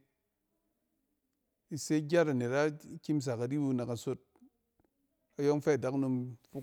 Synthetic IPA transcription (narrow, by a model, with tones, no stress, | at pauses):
i˨se˦ɡʲa˦ta˨ne˨ta˦kʲi˦ms̬a˨ka˨di˦bu˧˦na˨ka˨so˦t̚ | a˨jo˦ŋfɛ˦a˨da˦kno˧mfu˦